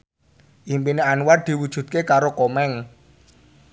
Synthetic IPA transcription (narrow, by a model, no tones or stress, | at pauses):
ʔimpineanwad̪̥i̤wud̥ʒ̥ṳt̪̚kekaɾokomɛŋ